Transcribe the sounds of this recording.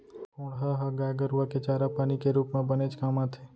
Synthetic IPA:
oːɽɦaɦaɡaːɡəɾʋaket͡ʃaːɾapaːnikeɾuːpmẽbəned͡ʒkaːmãt̪ʰeː

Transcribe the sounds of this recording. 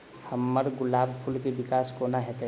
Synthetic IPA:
həmːəɾɡʊlaːbpʰulkebɪkaːskonaɦɛt̪e

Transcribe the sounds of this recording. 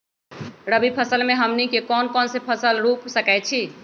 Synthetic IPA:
ɾəbʱipʰəsəlmeɦəmnikekɔnkɔnsepʰəsəlɾupsəkɛt͡ʃʰi

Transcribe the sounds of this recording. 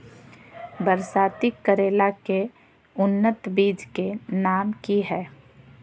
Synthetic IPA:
bəɾsaːt̪ikːəɾeːlake | ʊnːət̪biːd͡ʒkenaːmkiɦɛː

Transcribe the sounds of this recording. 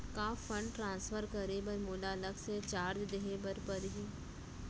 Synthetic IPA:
kaːfə̃ɳɖʈɾãːnsfʰəɾkəɾebəɾmolaːləkset͡ʃaːɾd͡ʒd̪eɦebəɾpəɾɦiː

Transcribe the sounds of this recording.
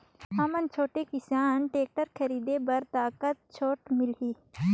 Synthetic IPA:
ɦɐmənt͡ʃʰoːʈekɪsaːnʈeːk̚ʈəɾkʰɐɾiːd̪ebɐɾt̪aːkət̪̚t͡ʃʰoːʈmɪlɦiː

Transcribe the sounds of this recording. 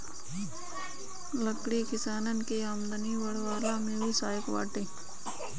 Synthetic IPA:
ləkɽikɪsaːnənkeəmd̪əniʋəɽʋaːlamẽbiːsaːjɪkʋa̰ːʈeː

